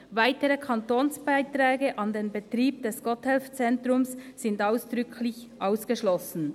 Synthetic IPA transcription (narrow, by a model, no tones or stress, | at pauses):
vaɪtəʁəkʰɑntoːnsb̥aɪtʁɛːɡəʔɑndeːnbətʁiːb̚d̥ɛsɡ̥ɔthɛlft͡sɛntʁʊmsːɪndaʊsd̥ʁʏkʰlɪçʔaʊsɡ̥əʃlɔsn̩